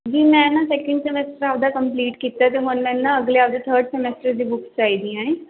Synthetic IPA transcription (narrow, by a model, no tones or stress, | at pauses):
d͡ʒiːmɛ̃ːnãːsɛːkə̃ɳɖsemɛsʈəɾaːpd̪aːkəmpliːʈkiːt̪aɛt̪emə̃nmɛ̃nːãəɡleaːp̚d̪et̪ʰəːɾɖsɛmɛːsʈəɾd̪iːbʊkst͡ʃaːiːd̪ijãːɛ̃ː